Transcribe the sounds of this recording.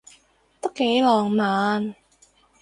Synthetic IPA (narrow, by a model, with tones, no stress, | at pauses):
t̪o˥kːe˨˥jlɔː˨˩ŋmaː˨˧n